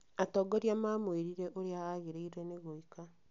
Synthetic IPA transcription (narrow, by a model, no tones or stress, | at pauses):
atɔɡɔɾjamaːmweɾiɾɛʔoɾeaaɣeɾeiɾɛneɣoika